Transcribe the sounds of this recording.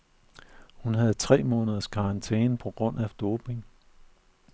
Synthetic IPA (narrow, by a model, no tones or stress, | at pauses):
hunɦæð̞̩ˠt͡sʰʁɛ̰ːmɔ̽ːnəðˠɐskʰɑ̈nt͡sʰḛːnəpʰɒ̽ɡ̥ʁɔ̽n̰ʔæfd̥oːb̥e̝ŋ